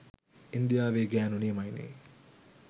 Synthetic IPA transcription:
ind̪ijaːʋeːɡæːnunimɐjnḛː

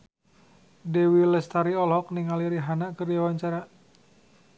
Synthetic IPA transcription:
dɛwilɛst̪aɾiɔlɦɔk̚niŋaliɾiɦanakərdiawaɲt͡ʃaɾa

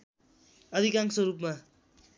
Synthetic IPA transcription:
ʌd̪ʱikaŋsʌɾupma

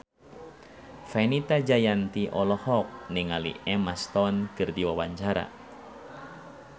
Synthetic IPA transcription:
fɛnit̪ad͡ʒajant̪iʔɔlɔhɔk̚niŋalḭɛmast̪ɔnkɨrdiwawaɲt͡ʃaɾa̰

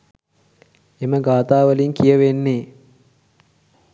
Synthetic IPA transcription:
eməɡaːt̪aːʋəliŋkijəʋenːeː

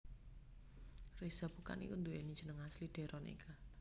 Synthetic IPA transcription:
rez̥ab̥ṳka̰nḭkund̪uenid̥ʒ̥ə̤nəŋaslid̪̥e̤ɾʔɔnḭkʰa

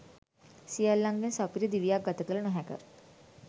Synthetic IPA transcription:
sialːãŋɡensapiɾid̪iʋjakɡət̪əkəlnəɦɛ̃kə̰ɾ

